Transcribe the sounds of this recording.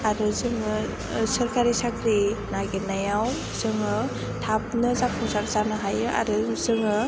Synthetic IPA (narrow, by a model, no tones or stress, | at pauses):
aɾuzɯŋɯ | sɐɾkaɾisakʰɾinaɡinajaw | z̥ɯŋɯ | tʰap̚nɯzapʰuŋsaɾzanɯɦajɯʔa̰ɾuzɯŋɯ